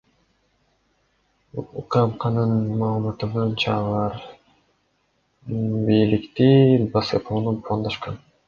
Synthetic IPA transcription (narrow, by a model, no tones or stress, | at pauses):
uqɑmqɑnɯnmɑːlˠmɑt̪ɯbojnt͡ʃɑːlˠɑɾ | bijlikt̪ibɑsɯpʰonupʰuɑnd̪ɑʃqɑn